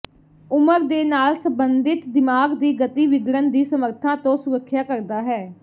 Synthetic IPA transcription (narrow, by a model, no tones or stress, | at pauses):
ʊməɾd̪eːnaːlsəbənd̪ɪt̪d̪ɪmaːɡd̪iːɡət̪iːʋɪɡɾənd̪iːsəməɾt̪ʰãːt̪õːsʊɾəkʰːjaːkəɾd̪aːɦɛː